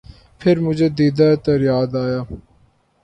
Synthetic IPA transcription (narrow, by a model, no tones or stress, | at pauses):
pʰɪɾmʊd͡ʒʱed̪iːd̪aet̪ɐɾjaːd̪aːjaː